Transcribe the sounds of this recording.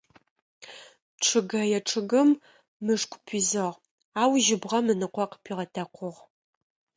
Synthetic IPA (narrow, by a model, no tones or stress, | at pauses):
ʈ͡ʂʰɨɡɐjɛʈ͡ʂʰʼɨɡɨmː | ɨʂkʷʰʼʊpʰizɨʁ | aːwʒɪbʁɐmɨnɨqʷɔqə̥pʰiːʁɐtʰɐqʷʰʊʁ